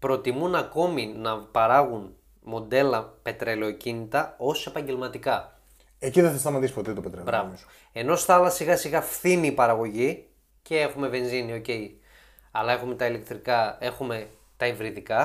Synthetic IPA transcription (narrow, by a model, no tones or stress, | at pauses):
pɾo̞t̪imunɐko̞minɐpɐɾɐɣun | mo̞d̪e̞lɐpe̞t̪ɾele̞ocinit̪ɐo̞se̞pɐɲɟe̞lmɐt̪ikɐ | eciðesɐst̪ɐmɐt̪ispot̪et̪opet̪ɾebɾɐvo | e̞no̞st̪ɐɐlɐsiɣɐsiɣɐfθiniːpɐɾɐɣo̞ʝi | ce̞exume̞ve̞nzinio̞ce̞j | ɐlɐe̞xume̞t̪ɐile̞k̚t̪ɾikɐe̞xume̞ | t̪ɐivɾiðikɐ